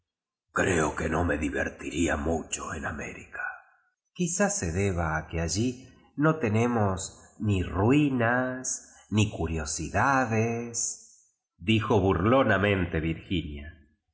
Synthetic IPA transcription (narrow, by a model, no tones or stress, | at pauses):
kɾeokeno̞meðiβḛɾt̪iɾiamut͡ʃoenamḛɾikʰḁ | kisase̞ðe̞β̞aːkeaʒi | no̞t̪e̞nemosnirwinas | nikuɾjo̞siðaðes | d̪ixo̞βuɾlonamẽ̞nt̪e̞βiɾxinja